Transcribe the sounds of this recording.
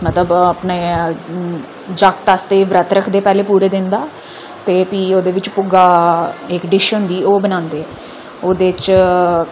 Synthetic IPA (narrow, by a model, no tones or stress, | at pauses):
mət̪ləbəpneː | d͡ʒakt̪ast̪eːʋɾət̪ɾəkʰd̪eːpɛːleːpuːɾeːd̪ɪnd̪aː | t̪eːpiːoːd̪eːʋɪt͡ʃpʊɡaːɪkɖɪʃɦʊnd̪iːoːbənãːnd̪eːɛ | oːd̪eːt͡ʃ